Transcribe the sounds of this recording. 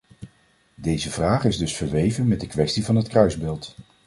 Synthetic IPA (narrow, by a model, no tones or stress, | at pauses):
dejzəvraːχɪzdɵsfəɹʋejvənmɛd̚dəkʋɛstivɑnɦətkrœɥzbɪːlˠt